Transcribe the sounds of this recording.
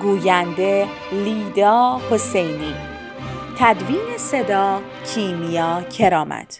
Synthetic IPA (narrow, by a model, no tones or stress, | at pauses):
ɡuːjænd̪e̞ | liːd̪ɒːhose̞jniː | t̪ʰæd̪viːnese̞d̪ɒː | cʰiːmijɒːcʰeɾɒːmæ̰d̪̥